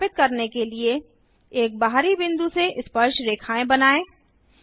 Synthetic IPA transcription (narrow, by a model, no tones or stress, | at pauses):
pɪt̪̚kɐɾnekelie | eːk̚baɦɾibɪ̃nd̪useʔɪspəɾʃɾeːkʰaːẽbɐnaːẽː